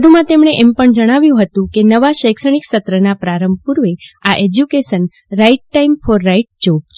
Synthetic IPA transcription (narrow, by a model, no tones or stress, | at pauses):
d̪ʱumãt̪emɳ̃eʔɛmpəɳd͡ʒəɽ̃aʋjũɦət̪ũkenəʋaʃəjkʃəɽ̃iksət̪ɾənapɾaɾəmbʱpuɾʋeaʔed͡ʒjukeʃən | ɾaiʈːaimfʰɔɾːaiʈ̚d͡ʒob̚t͡ʃʰ